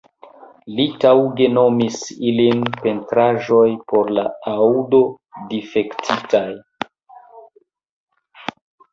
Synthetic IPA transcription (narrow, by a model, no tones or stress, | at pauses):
litawɡe̞no̞misilinpe̞ntɾaʒo̞jpo̞ɾlaado̞ | dife̞ktʰitaj